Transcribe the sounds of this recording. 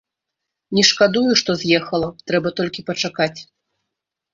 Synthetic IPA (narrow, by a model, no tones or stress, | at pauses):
nʲɛʂkad̪ujuʂt̪ɔzʲjɛxɐlˠɐt̪ɾɛbɐt̪ɔlʲkʲipɐt͡ʂakat͡sʲ